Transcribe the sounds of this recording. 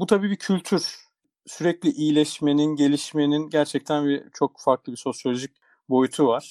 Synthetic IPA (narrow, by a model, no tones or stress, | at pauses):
but̪ʰabiːbicʰylʲt̪ʰyɾ | syɾɛclʲiʔijlʲɛʃme̞ninɟe̞lʲiʃme̞ninɟæɾt͡ʃʰɛc̚t̪ʰænbit͡ʃʰo̞kfaɾklˠɯbiso̞sjolʲoʒic̚ | bo̞jyt̪ʰuvaɾ̥